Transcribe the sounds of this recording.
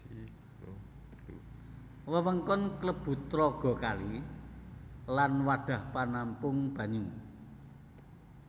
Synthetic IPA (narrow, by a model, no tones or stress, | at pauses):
wəwəŋkɔnkləb̥ṳt̪ːɾɔɡ̥ɔ̤kali | lanwaɖ̪̥a̤hpanampʊŋb̥ä̤ɲu